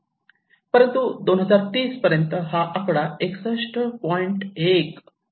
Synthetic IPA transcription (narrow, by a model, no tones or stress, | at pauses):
pəɾənt̪ud̪onɦəd͡zaɾt̪iːspəɾjənt̪əɦaʔakɽaeksəʂʈʰəpɔiɳʈek